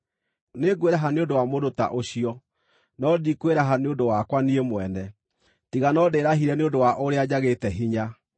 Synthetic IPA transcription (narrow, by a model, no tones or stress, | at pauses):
neɡweɾaɦaneondowamodota̰ʔoɕiɔ | nɔdikweɾaɦaneondowakwaniemwɛnɛ | tiɣanɔdeːɾaɦiɾɛneondowaʔoɾead͡ʑaɣetɛɦiɲa